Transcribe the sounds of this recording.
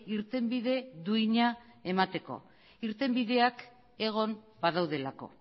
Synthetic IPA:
iɾt̪e̞mbiðe̞ðuiɲae̞mat̪e̞ko̞̰ | iɾt̪e̞mbiðe̞ak | e̞ɣ̞o̞m | bað̞awðe̞lako̞̰

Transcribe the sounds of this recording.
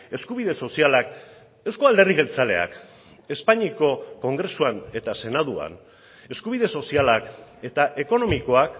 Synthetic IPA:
e̞skuβiðe̞so̞sialak | ewsko̞ald̪e̞riɣe̞lt͡sale̞̰a̰k | e̞spaɲiko̞ko̞ŋɡɾe̞suane̞t̪ase̞naðua̰n | e̞skuβ̞iðe̞so̞sialake̞t̪aʔe̞ko̞no̞miko̞ak

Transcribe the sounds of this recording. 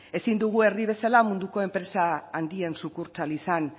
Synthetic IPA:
e̞sind̪uɣ̞ue̞rðiβ̞e̞salamund̪uko̞e̞mpɾe̞saːnd̪iensukuɾt͡salisan

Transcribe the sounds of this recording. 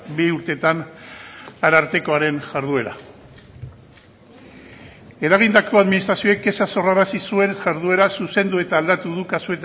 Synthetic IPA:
biuɾt̪e̞t̪an | aɾaɾt̪e̞ko̞aɾe̞nʝaɾðue̞ɾa̰ | e̞ɾaɣ̞ind̪ako̞aðminist̪ɾasio̞ek̚ɡe̞saso̞raɾasisue̞nʝaɾðue̞ɾasuse̞nd̪ue̞t̪aːld̪at̪uðukasue̞t̪

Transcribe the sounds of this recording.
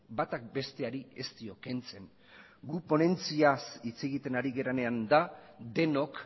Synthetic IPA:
bat̪ak̚be̞st̪e̞aɾie̞st̪io̞ke̞nt͡se̞ŋ | ɡupo̞ne̞nt͡siasit͡se̞ɣit̪e̞naɾiɣe̞ɾane̞and̪ad̪e̞no̞k

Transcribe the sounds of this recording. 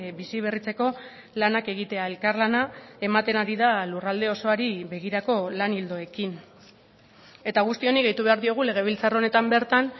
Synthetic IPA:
bisiβ̞erit͡se̞ko̞ | lanake̞ɣ̞it̪e̞ae̞lkarlanae̞mat̪e̞naɾiðalurald̪e̞o̞so̞aɾiβe̞ɣ̞iɾako̞lanild̪o̞e̞kin | e̞t̪aɣ̞ust̪io̞niɣejt̪uβe̞aɾðio̞ɣ̞ule̞ɣ̞e̞β̞ilt͡sarone̞t̪ambe̞ɾt̪an

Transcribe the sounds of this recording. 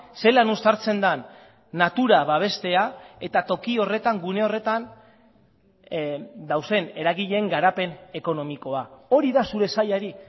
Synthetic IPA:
se̞lanust̪aɾt͡se̞nd̪anː | at̪uɾaβaβ̞e̞st̪e̞ae̞t̪at̪o̞kio̞re̞t̪aŋɡune̞o̞re̞t̪an | d̪awse̞ne̞ɾaɣiʎe̞ŋɡaɾape̞ne̞ko̞no̞miko̞ao̞ɾiðasuɾe̞saʎaɾi

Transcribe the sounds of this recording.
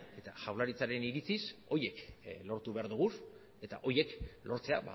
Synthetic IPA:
e̞t̪aʝawlaɾit͡saɾe̞niɾit͡siso̞je̞klo̞ɾt̪uβe̞aɾðuɣ̞us | e̞t̪a̰ʔo̞je̞klo̞ɾt͡se̞a̰βa̰

